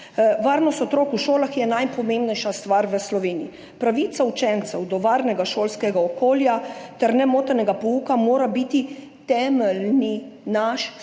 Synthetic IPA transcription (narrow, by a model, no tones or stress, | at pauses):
ʋaɾnɔst̪ɔt̪ɾoːkuʃoːlaxjɛnajpɔmembnɛjʃast̪ʋaɾʋəslɔʋeːnii | pɾaʋiːt̪saut͡ʃɛnt̪sɛwd̪ɔʋaɾnɛɡaʃoːlskɛɡaɔkoːljat̪ɛɾnɛmoːt̪ɛnɛɡapɔuːkamoːɾabit̪i | t̪ɛːmɛlninaʃ